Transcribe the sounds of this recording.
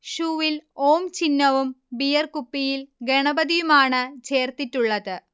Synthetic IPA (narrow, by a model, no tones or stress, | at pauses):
ɕuːʋilo̞ːmt͡ɕinːɐʋumbijɐrkupːijilɡeɳɐbɐðijumaːɳɨt͡ɕe̞ːrt̪itːuɭːɐðɨ